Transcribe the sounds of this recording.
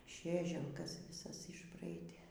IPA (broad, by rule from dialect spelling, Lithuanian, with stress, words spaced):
ˈʃʲeːʒʲɛlˠkɐs ʋʲɪˈsɐs ɪʒˈbrɐɪdʲeː